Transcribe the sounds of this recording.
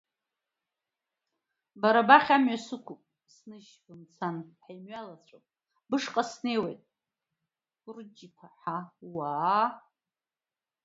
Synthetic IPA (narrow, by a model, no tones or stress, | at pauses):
baɾabaχʲamɥasɨkʷʰupʼ | snɨʃbɨmt͡sʰanħajmɥalat͡ɕʷʰapʼ | bɨʂqʼasne̞jwejtʼ | urd͡ʒipʰaħawaː